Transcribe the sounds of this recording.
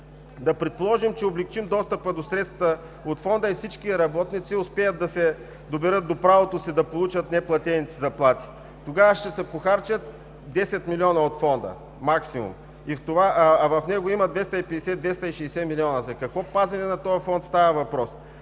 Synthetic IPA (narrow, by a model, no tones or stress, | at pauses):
d̪ɐpɾɛt̪̚polˠɔʒimt͡ʃɛoblɛk̚t͡ʃimd̪ɔst̪əpəd̪osɾɛt̪st̪ɐt̪ə | ot̪fɔnd̪əifsit͡ʃk̟iɾɐbɔt̪nit̪siʊspɛjət̪̚d̪ɐsɛ | d̪obɛɾɤt̪̚d̪opɾavot̪osid̪ɐpolˠut͡ʃət̪nɛplˠɐt̪ʲɛnit̪ɛzɐplˠat̪i̥ | t̪oɡavəʃt̪ɛsɛpoxaɾt͡ʃət̪̚ | d̪ɛsɛt̪milʲiɔnɐot̪fɔnd̪ə̰ | maksimṵm | ift̪ovavɐfnɛɡoimɐd̪vɛst̪ɐipɛd̪ɛsɛd̪vɛst̪ɐiʃɛjsɛmilʲiɔnəzɐkɐkvɔpazɛnɛnɐt̪ɔjɐfɔnt̪st̪avəvɐpɾɔs